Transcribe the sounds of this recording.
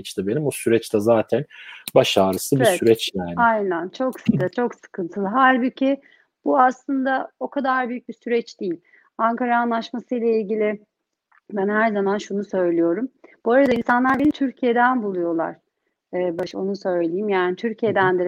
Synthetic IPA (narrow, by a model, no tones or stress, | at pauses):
t͡ʃt̪abenimosyɾɛt͡ʃt̪ʰɛzaːt̪ʰænbaʃaːɾɯsɯbivsɛyɾɛt͡ʃjaːnajnænt͡ʃʰo̞kst͡ʃʰo̞ksɯ̥kʰɯnt̪ʰɯlˠɯɦæɾbicʰi | b̥uaslˠɯnd̪ao̞kʰad̪aɾbyjyc̚bisyɾɛt͡ʃd̪̥ijilʲ | aŋkaɾaːnlˠaʃmasɯjlˠailʲɟilʲɪ | bænhæɾzamanʃunusø̞jlʲijo̞ɾumb̥uaɾad̪ainsanlˠaɾbenit̪ʰyɾcʰijed̪ænbulˠujo̞lˠa̰ɾ̥ː | baʃo̞nusø̞jlʲelʲijimjaːnit̪ʰyɾcʰijed̪ænd̪eɾ